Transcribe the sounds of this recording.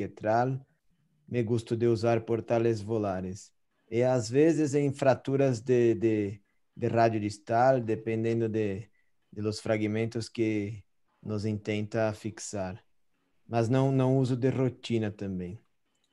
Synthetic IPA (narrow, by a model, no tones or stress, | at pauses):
et̪ɾal | meɡust̪od̪euzaɾpoɾt̪alezvolaɾes | eazβezezẽŋfɾat̪uɾazd̪ed̪e | d̪erad̪jod̪ist̪ald̪epẽnd̪ẽnd̪od̪e | d̪elosfɾaɡimẽnt̪oske | nozint̪ẽnt̪afiksaɾ | maznõwnõŋuz̬od̪erot̪inat̪ãmbẽŋ